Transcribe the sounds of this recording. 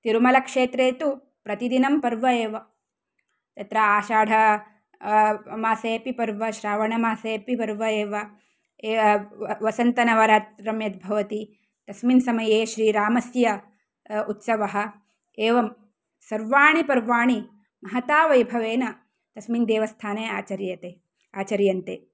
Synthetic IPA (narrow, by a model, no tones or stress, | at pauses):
t̪iɾmɐlɐkʂeːt̪ɾeːt̪u | pɾɐt̪id̪inɐmpɐɾʋɐeːʋɐ | t̪ɐt̪ɾɐaːʃaːɽʱɐ | maːseːpipɐɾʋɐʃɾaːʋɐɳɐmaːseːpipɐɾʋɐeːʋɐ | ʋɐsɐnt̪ɐnɐʋɐɾɐt̪ɾɐmjɐt̪̚bʱɐʋɐt̪i | t̪ɐsminsɐmɐjeːʃɾiːɾaːmɐsjɐ | ut̪sɐʋɐɦɐ̆ | eːʋɐm | sɐɾʋaːɳipɐɾʋaːɳi | mɐɦɐt̪aːʋɐjbʱɐʋeːnɐ | t̪ɐsmind̪eːʋɐst̪ʰaːnejaːt͡ʃɐɾjɐt̪eː | aːt͡ʃɐɾjɐnt̪eː